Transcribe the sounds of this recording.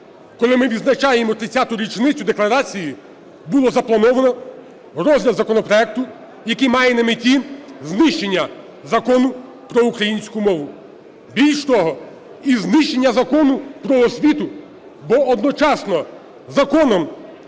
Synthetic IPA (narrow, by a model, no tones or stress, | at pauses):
kɔlˠɪmɪʋʲid̪znɐt͡ʃɑjemɔt̪ɾɪt͡sʲːat̪ʊɾʲit͡ʃnɪt͡sʲʊd̪eklˠɐɾɑt͡sʲiji | bulˠɔzɐplˠɐnɔʋɐnɔ | ɾɔzʲlʲɐzɐkɔnɔpɾɔɛk̚t̪ʊ | jɐkɪmɑjɛnɐmɪtʲiznɪʃt͡ʃenʲːɐ | zɐkɔnʊ | pɾɔukɾɐjinʲsʲkʊmɔʋʊ | bʲilʲʃt̪ɔɦɔ | iznɪʃt͡ʃe̞nʲːɐzɐkɔnʊpɾɔɔsʲʋʲit̪ʊ | bɔɔd̪nɔt͡ʃɑsnɔ | zɐkɔnɔm